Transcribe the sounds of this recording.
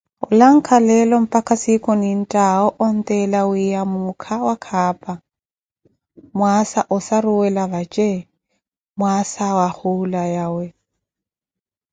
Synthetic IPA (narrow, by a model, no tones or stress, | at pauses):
ʊ̰laŋ̩kʰalɛlɔm̩pʼakʼasikʼɔnin̩tʼaɔʔɔn̩t̪ʼɛlawijamʊkʰawakʰaːpʼa | mwasaʔʊsarʊwɛlaβat͡ʃʼɛ | mwasawahulajawɛ